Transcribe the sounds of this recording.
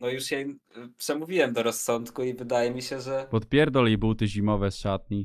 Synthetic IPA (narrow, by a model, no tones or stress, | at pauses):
nɔjuʂjaim | pʂɛmuvʲiwɛmd̪ɔɾɔsːɔnt̪kuivɘd̪ajɛmʲiɕɛʐɛpɔt̪pʲjɛɾd̪ɔlijbuwt̪ɘʑimɔvɛsʂat̪̚nʲi